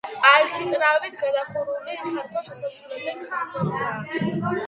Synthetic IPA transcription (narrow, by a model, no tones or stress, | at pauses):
aɾit̪ʰit̪ʼɾavit̪ʰɡad̪aχuɾulihʰaɾk̪ʰɔʃasaslɛlɛpsamɔχd̪a